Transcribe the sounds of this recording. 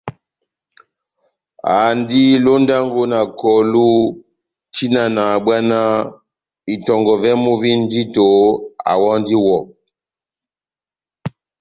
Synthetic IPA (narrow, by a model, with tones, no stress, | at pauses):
a̰˨ndi˦lo˦nda˦ŋɡo˦na˨kɔ˨lu˦ | ti˦na˨na˨ɓwa˦na˦ | i˨tɔ˨ŋɡɔ˨vɛ˦mo˦vi˦n˦di˦to˨a̰˨wɔ˦ndi˦wɔ˨